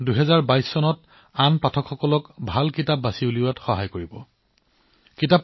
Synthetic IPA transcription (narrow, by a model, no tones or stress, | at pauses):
duɦɛzaɹbajsːɔnɔt | anpatʰɔkʰxɔkɔlɔkbʱalkitap̚basiuliwatxɔɦajkoɹibɔ | kitap